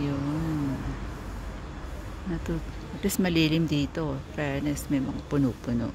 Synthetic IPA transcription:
jon | nɐt̪o | ɐp̪lismɐliːlɪmd̪iːt̪ofɾɛnɛsmɛjmɐŋapʊnupʊno̰ʔ

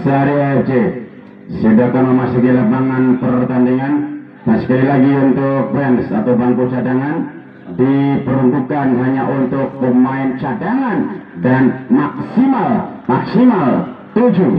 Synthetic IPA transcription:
səaɾiaɛd͡ʒe | sadakanməmasukilapaŋanpərt̪andiŋan | d̥ansə̥kalilaɡiunt̪ʊk̚bɾɛnsat̪awbaŋkut͡ʃadaŋan | dipəɾundukanɦaɲaʔunt̪ʊk̚pəmaɪnt͡ʃadaŋandanmaksimalmaksimalt̪ud͡ʒu

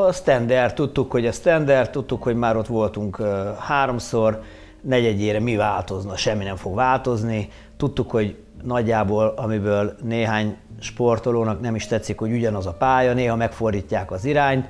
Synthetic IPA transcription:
ɒst̪ɛnd̪ɛrt̪ːut̪ːukho̞ɟɒst̪ɛnd̪ɛrt̪ːut̪ːukho̞ɟmaːɾo̞t̪ʋo̞lt̪uŋkøhaːɾo̞msor | nɛɟɛdeːɾɛmivaːlt̪o̞znɒʃɛmːinɛɱfo̞ɡʋaːlt̪o̞zni | t̪ut̪ːukho̞ɟ | nɒɟːaːboːlɒmibøːlneːɦaːɲʃpo̞rt̪o̞loːnɒknɛmiʃt̪ɛt̪sːikho̞ɟuɟɒnɒzɒpaːjɒneːɦɒmɛkfo̞rd̪iːcːaːkɒziɾaːɲt̪

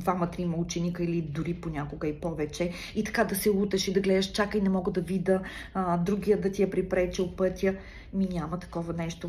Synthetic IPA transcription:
d̪vamɐt̪ɾimɐlˠt͡ʃinikəilid̪uɾiponʲakoɡəipɔvɛt͡ʃɛ | it̪ɐ̥kad̪ɐsɛut̪ɛʃid̪ɐɡlɛd̪əʃt͡ʃakəinɛmɔɡəd̪ɐvid̪əd̪ɾuɡʲijəd̪ɐt̪ijɐpɾipɾɛt͡ʃɛʊpɤt̪ʲjə | minʲamət̪ɐ̥kɔvɐnɛʃt̪o

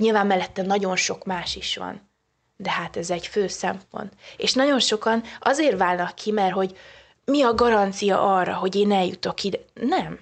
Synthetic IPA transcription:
ɲilvaːmːɛlːɛt̪ːɛnːɒɟo̞nʃo̞kmaːʃiʃʋɒ̰n | d̪ɛhat̪ɛzɛɟføːsɛmpo̞̰nt̪eːʃnɒɟo̞nʃo̞kɒnɒzeːrvaːlnɒkʰːimɛrɦo̞ɟ | miɒɡɒɾɒnt̪sijɒ̰ʔɒrːɒ̰ɦo̞ɟeːnɛljut̪o̞kːid̪nɛm

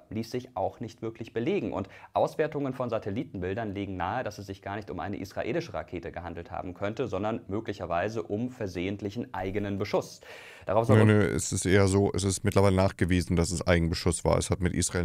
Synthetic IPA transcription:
liːsz̥ɪçʔaʊxnɪçtv̥ɪɐklɪçb̥əleːɡŋ̩ʔʊ̰ntʔaʊsv̥eːɐtʊŋənfɔnzatʰɛliːtn̩bɪldɐnliːɡŋ̩naːədasɛs̬z̥ɪçɡ̥aːɐnɪçtʊmʔa̰ɪnə̰ʔḭsʁ̥a̰ʔḛːlɪʃəʁa̰kʰeːtəɡəhandl̩tha̰ːbm̩kʰœntəzɔndɐnmøːklɪçɐvaɪzəʔʊmfɛɐzeːəntlɪçn̩ʔaɪɡənənbəʃʊs | d̥aʁaʊsznəɛ̰sɪstʔeːɐzoːʔɛ̰sɪstmɪtlɐvaɪlənaːχɡ̥əviːzn̩dasɛsʔa̰ɪɡŋ̩bəʃʊsv̥a̰ːɐɛ̰shatmɪtʔḭːsʁ̥aeː

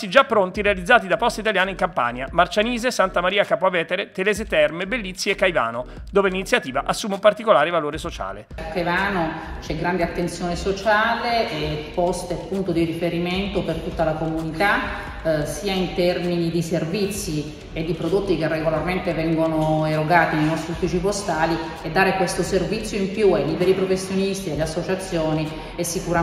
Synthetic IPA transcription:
sid͡ʒapːɾont̪iɾealid̪zːaːt̪̬id̪apɔst̪ait̪aljaːnaiŋkampa̰ːɲamart͡ʃaniːzesant̪amaɾiːakapoavːɛːt̪eɾet̪elɛːzet̪ɛrmebelːit̪sːiekːajva̰ːno | d̪oːvelinit̪sjat̪iːvaʔasːuːmeumpart̪ikolaːɾevaloːɾesot͡ʃa̰ːlḛakːajvaːnot͡ʃɛɡɾand̪eat̪ːent̪sjoːnesot͡ʃaːlepɔst̪eapːunt̪od̪iɾifeɾiment̪opert̪ut̪ːalakomunit̪a | siːaint̪ɛrminid̪iservit̪sːi | ed̪ːipɾod̪ot̪ːikerːeɡolarment̪evɛŋɡonoeɾoɡaːt̪ineijnɔst̪ɾiufit͡ʃipost̪aːli | ed̪ːaːɾekwest̪oservit̪sːjoimpjuajliːbeɾipɾofesːjonist̪id̪elːeasːot͡ʃat̪sːjoːni | esːikuɾa

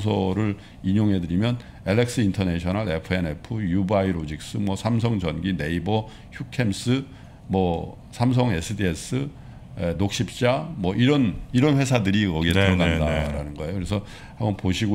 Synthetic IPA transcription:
s̬ʰʌɾɯɭ | iɲoŋɦe̞dɯɾimjʌn | eɭːek̚s͈ɯintʰʌne̞ɕʰʌnaɭepʰɯe̞nepʰɯjubaiɾod͡ʑik̚s͈ɯmwʌsʰams̬ʰʌŋd͡ʑʌnɡine̞ibʌ | çjukʰe̞ms͈ɯ | mwʌ | sʰams̬ʰʌŋe̞sʰɯdies͈ɯ | enok̚ɕ͈ip̚t͡ɕ͈amwʌʔiɾʌniɾʌnɸwe̞sʰadɯɾiʌɡietɯɾʌɡandaɾanɯnɡʌe̞jokɯɾes̬ʰʌ | hamʌnpoɕʰiɡo

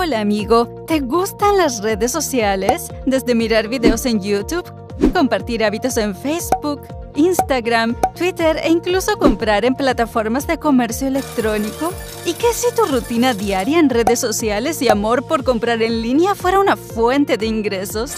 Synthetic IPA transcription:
olaːmiɣo̞t̪e̞ɣust̪anlasreðesːo̞sjales | d̪e̞zðe̞miɾaɾβiðeose̞njut̪uβ | ko̞mpaɾt̪iɾaβit̪o̞se̞ɱfejzbuk | inst̪aɣɾamt̪wit̪eɾḛiŋkluso̞ko̞mpɾaɾe̞mplat̪afo̞ɾmazðe̞ko̞me̞ɾsjoele̞kt̪ɾo̞niko | ikesit̪urut̪inaðjaɾjaenre̞ðesːo̞sjale̞siamo̞ɾpo̞ɾko̞mpɾaɾe̞nlinjafwe̞ɾaunafwe̞nt̪e̞ðeiŋɡɾeso̞s

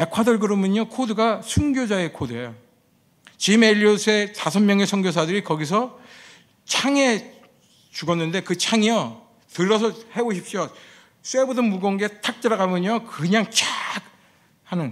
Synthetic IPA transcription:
ekʰadʌɭɡɯɾʌmjʌɲokʰodɯɡasʰuŋɡjod͡ʑae̞kʰodɯejo | t͡ɕimeʎːiosʰe̞tasʰʌmmjʌŋe̞sʰʌŋɡjos̬ʰadɯɾikʌɡis̬ʰʌ | t͡ɕʰaŋe̞ | t͡ɕuɡʌnːɯnde̞kɯt͡ɕʰaŋijʌ | tɯɾːʌs̬ʰʌhe̞boɕʰip̚ɕ͈o | s͈e̞bodɯnmuɡʌnɡetʰak̚t͈eɾaɡamjʌɲokɯɲaŋt͡ɕʰak̚ | hanɯn

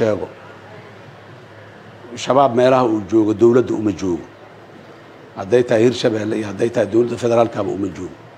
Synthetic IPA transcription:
ʃɛːɣɔ | ʃɐβaːbmɛːlɐhɐuːd͡ʒɔːɣɔd̪ɔwlɐd̪ɐʊmɐt͡ʃɔːɣɔ | hɐd̪ɛjt̪ʰɐhihɪrʃɐβɛːlːɛijɔhɐd̪ɛjt̪ʰɐhid̪ɔwlɐd̪ːɐfɛðɛɾaːlkʰaβɐ̰ʊ̰mɐt͡ʃɔːɣɔ

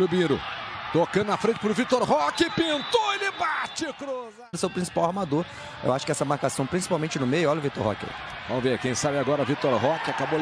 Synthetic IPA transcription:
lubĩɾʊt̪okɐ̃nd̪ʊnɐfɾẽnt͡ʃɪpɾʊvit̪oɾɦɔkɪpĩnt̪oelɪbat͡ʃɪkɾuz | d̪ʊsewpɾĩsi̥pawaɾmad̪oɾ | ḛwaʃʊ̥kɪɛsɐmaɾkasɐ̃w̃pɾĩsi̥pawmẽnt͡ʃɪnʊmejʊɔlɐʊvit̪o̰ɾɦɔ̰kɪɛ̰ | vɐ̃mʊveɾkẽj̃sabɪaɡɔɾɐvit̪oɾɦɔkɪakabo

